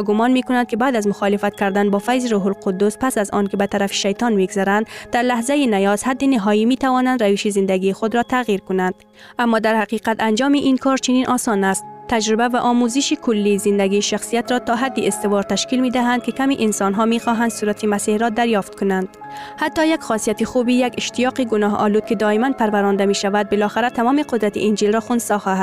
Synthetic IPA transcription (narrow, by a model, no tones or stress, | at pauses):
ɡʊmɒnmekʊnand̪kɪbad̪azmʊxɒlɪfat̪̚kaɾd̪anbɒfajziɾuɦʊlqʊd̪ːʊspasazɔ̰nkɪbat̪aɾafi̥ʃajt̪ɒnmiɡzaɾand̪d̪aɾlahzajinajɒz̥had̪ːinɪɦɔimit̪awɒnand̪ɾaviʃizɪnd̪aɡixʊd̪ɾɔt̪ʰaɣiɾkʊnand̪̥ | amːɔd̪aɾhaqiqat̪and͡ʒɒmiʔinkʰɒɾt͡ʃɪninʔɒsɒnast̪t̪ːad͡ʒɾɪbavaʔɔmuzɪʃikʊlːizɪnd̪aɡiʃaxsijat̪ɾɔt̪ɒɦad̪ːiɪst̪ɪvɒɾt̪aʃkilmid̪aɦand̪̚kɪkamiʔɪnsɒnɦɒmixɔɦand̪suɾat̪ʰimasihɾɔd̪aɾjɒft̪̚kʊnand̪̥ | hat̪ːɒjaɡxɒsijat̪ixubijaɡɪʃt̪ijɒːqiɡʊnɒɦɒ̰lud̪̚kɪd̪ɒimanpaɾvaɾɔnd̪amiʃavad̪̚bɪlɒxɪɾat̪amɔmiqʊd̪ɾat̪ḭʔind͡ʒilɾɒxʊnsɒxɒha